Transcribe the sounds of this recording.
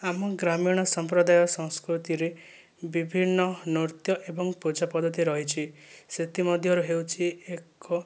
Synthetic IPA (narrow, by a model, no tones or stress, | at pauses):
amɔɡɾamiɽ̃ɔsɔmpɾɔd̪ajɔsɔ̃ŋskɾut̪iɾe | bibʱinːɔnoɾt̪jɔʔebɔŋpud͡ʒapɔd̪ʱɔt̪iɾɔɦit͡ʃʰiset̪imɔd̪ʱjɔɾuɦewt͡ʃʰiekɔ